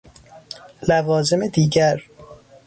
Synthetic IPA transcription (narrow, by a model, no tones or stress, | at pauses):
lævɒːze̞me̞d̪iːɟæɾ